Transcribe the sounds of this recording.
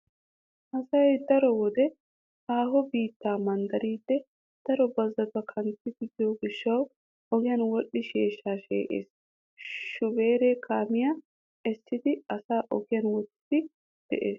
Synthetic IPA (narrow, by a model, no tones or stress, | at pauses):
ʔɐsɐjd̪ɐɾɔwɔd̪ɛ | haːɦɔbiːt̪ːaːmɐnd̪ɐɾiːd̪ːɛ | d̪̥ɐɾɔbɐzːɐt̪ɐkʰɐnt̪ːɪd̪ɪd̪ɪjoɡɪʃːɐw | ɔɡɪjɐnwɔɗːɪʃeːʃːaːʃḛːʔḛːs | ʃʊbe̞ːɾeːkʰaːmɪja | ɛsːɪd̪ɪɐsaːʔɔɡɪjɐnwɔt̪ːɪd̪̥ɪ | d̪̥ɛ̰ʔḛːs